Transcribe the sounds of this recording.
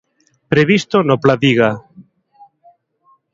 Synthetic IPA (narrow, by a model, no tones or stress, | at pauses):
pɾeβist̪onoplaðiɣa